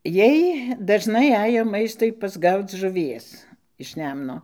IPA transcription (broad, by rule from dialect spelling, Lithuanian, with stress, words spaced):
ˈjiɛj dɐʒˈnɐɪ ˈɑːjoː ˈmɐɪstʊɪ pɐzˈɡɐʊt͡s ʒʊˈʋʲiɛs ɪʃ ˈnʲɛmnoː